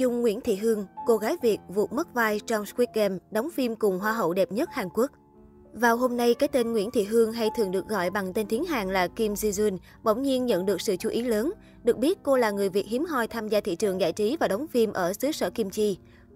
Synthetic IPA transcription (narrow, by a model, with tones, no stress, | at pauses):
zʊ˨˧˩ŋ͡mŋːwḭ˧˥ənt̪ʰḭ˧˨ɦɨ˧əŋko˧ɣaː˨˦jvi˨˩ək̚vṵ˨˩t̚mə˦˥t̚vaː˧jt͡ɕɔ˧wŋ͡mskwi˦˥t̚kɛ˧mɗa˨˦wŋ͡mfi˧mkʊ˨˩ŋ͡mɦwaː˧ɦə̰˧˨wɗɛ˨˩p̚ɲə˦˥t̚haː˨˩ŋku˦˥ək̚ | vaː˨˩wɦo˧mna˧jkaː˨˦jt̪e˧nŋwḭ˧˥ənt̪ʰḭ˧˨ɦɨ˧əŋɦa˧jt̪ʰɨ˨˩əŋɗɨ˨˩ək̚ɣɔ̰˧˨jɓa˨˩ŋt̪e˧nt̪ʰi˨˦ənɦa̰ː˨˩ŋlaː˨˩ki˧mzi˧zwi˧n | ɓə˧˩wŋ͡mɲi˧ənɲə̰˧˨nɗɨ˨˩ək̚sɨ̰˧˨t͡ɕu˧˩ʔi˨˦ləː˨˦n | ɗɨ˨˩ək̚ɓi˦˥ət̚ko˧laː˨˩ŋɨ˨˩əjvi˨˩ət̚hi˨˦mɦɔ˧˩jt̪ʰaː˧mzaː˧t̪ʰḭ˧˨t͡ɕɨ˨˩əŋza̰ː˧˨jt͡ɕi˨˦vaː˨˩ɗa˨˦wŋ͡mfi˧mʔəː˧˩sɨ˨˦səː˧˩ki˧mt͡ɕi˧